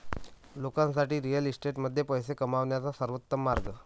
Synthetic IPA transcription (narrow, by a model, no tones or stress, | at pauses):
lokãnsaʈiːɾijəlisʈeʈməd̪ʱːjepəjsekəmaʋɳjat͡sasəɾʋət̪ːəmːaɾɡə